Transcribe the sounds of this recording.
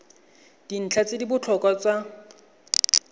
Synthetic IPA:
d̥in̩t͡ɬʰat͡sedibʊt͡ɬʰɔkʼat͡swa

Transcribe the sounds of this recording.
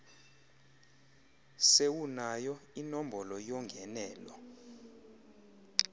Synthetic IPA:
sewunajɔinɔmbʱɔlɔjɔŋɡʱɛnɛːlɔ̰

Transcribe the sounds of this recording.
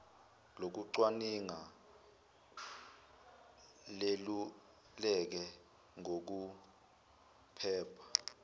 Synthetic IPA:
lok̬uǀwaniŋa | lelu | lɛk̬ɛ | ŋok̬u | pʰɛːpʰḁ

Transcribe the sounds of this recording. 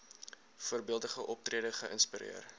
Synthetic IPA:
fuərbiəlˠdəχəʔɔp̚triədəχəʔənspiɾḭər

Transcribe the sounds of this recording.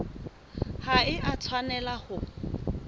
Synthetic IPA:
haɪʔat͡sʰwanɛlahʊ

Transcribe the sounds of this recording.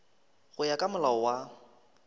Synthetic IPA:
ɣʊjakʼamʊlaɔwa

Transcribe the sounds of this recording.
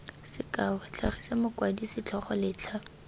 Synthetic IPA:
sɪkʼawɛt͡ɬʰaχisemʊkwadisɪt͡ɬʰɔχɔlɪːt͡ɬʰa

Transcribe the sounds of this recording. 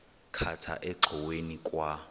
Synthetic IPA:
kʰatʰa̰ʔɛǃʱɔwenikʼwa

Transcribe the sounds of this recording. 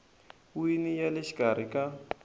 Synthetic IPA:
winijalɪʃi̥kʼaɾikʼa

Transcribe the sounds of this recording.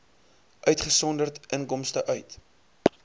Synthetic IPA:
ʔœɥtχəsɔndərtʔəŋkɔmstəʔœɥt

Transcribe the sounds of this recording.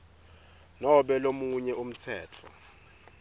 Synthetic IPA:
nɔɓɛlomuɲɛum̩t͡sʰɛːtʰɔ̰

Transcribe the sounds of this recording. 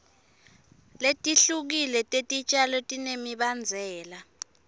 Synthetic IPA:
letʼiɬuk̬ilɛtʼetʼit͡ʃʼalɔtʼinemiɓand͡zʱɛːla

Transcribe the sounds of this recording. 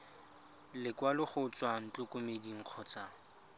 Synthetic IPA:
lɪkwalɪχʊt͡sʼwan̩t͡ɬʼʊkʼʊmediŋ̩q͡χʰɔːt͡sʰʼa

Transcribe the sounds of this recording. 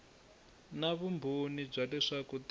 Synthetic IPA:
naβumbʱunib͡ʐalɛʂakut

